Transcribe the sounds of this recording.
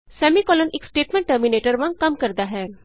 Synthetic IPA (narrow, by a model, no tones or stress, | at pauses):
sɛːmikɔːlənɪksʈeːʈmɛ̃ɳʈʈəɾmineːʈəɾʋɐ̃ŋkɐmkɐɾd̪aɦɛː